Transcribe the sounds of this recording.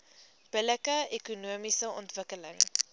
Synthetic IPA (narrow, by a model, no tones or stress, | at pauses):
b̥ələkəekunuəmisəɔ̰ntvəkələŋ